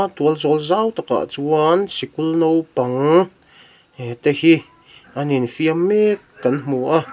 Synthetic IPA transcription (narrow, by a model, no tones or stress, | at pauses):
t̪uəlzolzawt̪aka̰ʔt͡suwansikulnowpaŋ | t̪ehi | anenfiame | kanmuʔa